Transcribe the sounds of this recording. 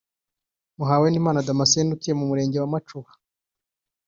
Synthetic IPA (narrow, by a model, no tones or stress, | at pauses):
muɦaweniːmaːnadamaseːndukijemumuɾe̞ːɲɟe̞wamat͡ʃuhḁ